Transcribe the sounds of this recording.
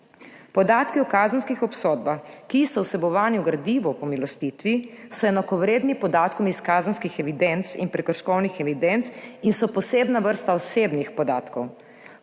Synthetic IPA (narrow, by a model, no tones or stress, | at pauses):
pɔd̪aːt̪kiɔkaːzənskixɔpsɔd̪̚baxkisɔwsɛbɔʋaːniwɡɾad̪iːʋɔpɔmilɔst̪it̪ʋisɔɛnakɔʋɾeːd̪nipɔd̪aːt̪kɔmiskaːzənskixɛʋid̪ɛnt̪sḭnpɾɛkəɾʃkɔwnixɛʋid̪ɛnt̪sinsɔpɔseːbnaʋəɾst̪aɔsebnixpɔd̪aːt̪kɔw